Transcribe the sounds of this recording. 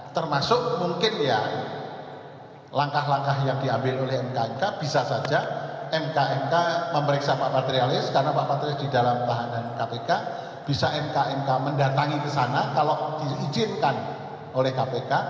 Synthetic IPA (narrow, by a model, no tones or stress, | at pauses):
t̪ərmasʊk̚muŋkɪnja | laŋkaɦlaŋkahjaŋdiambɪlolɛhɛmkaɛmkab̥isasad͡ʒaɛmkaɛmkaməməɾiksapaʔpat̪ɾialɪskarnapaʔpat̪ɾiɪsd̥idalamt̪aɦanankapeka | b̥isaɛmkaʔɛŋkaməndat̪aŋikəsanakaloʔd̥iːd͡ʒɪnkan | olɛhkapeka